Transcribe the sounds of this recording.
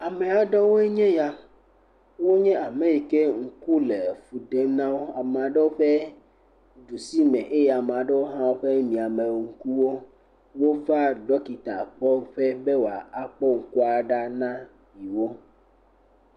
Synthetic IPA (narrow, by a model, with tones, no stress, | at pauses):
a˨mẽ˨a˨ɖɔ˦wo˦e˦ɲɛ̃˦ja˦ | wo˦ɲɛ̃˦ʔa˨mẽ˦ji˨ke˦ŋ̩˦˨ku˦le˨fu˨ɖe˦nã˦wo˦a˨me˨a˨ɖe˦wo˦ɸe˦ | ɖu˨si˦mɛ̃˨ʔe˦ja˨m˨a˨ɖe˦wo˦ɦã˦wo˦ɸe˦mĩ˨a˨mẽ˨ŋ̩˦ku˦wo˦ | wo˦fa˦ɖɔ˦ki˨t̪a˨k͡pɔ˦ɸɛ˦be˦wo˨a˨a˨k͡pɔ˦ŋ̩˨ku˦a˨ɖa˦nã˦ | ji˨wo˦